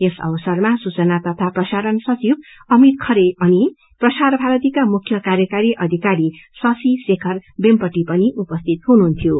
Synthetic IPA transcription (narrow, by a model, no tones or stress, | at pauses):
esʌ̰bʌsʌrmasut͡sʌnat̪ʌp̪ʰaprʌsaɾʌnsʌt͡sib̚ʌmit̪̚kʰʌɾeʌni | prʌsaɾbʱaɾʌt̪ikamukʰjʌkaɾjʌkaɾiʔʌd̪ʱikaɾisʌsisekʰʌrbempʌʈipʌniʔupʌst̪ʰit̪ɦununt̪ʰjo